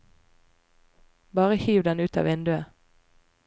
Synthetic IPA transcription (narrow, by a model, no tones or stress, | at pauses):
bɑːʁəhiːʋd̪ɛnʉːt̪ɑ̰ːʋɪnd̪ʉə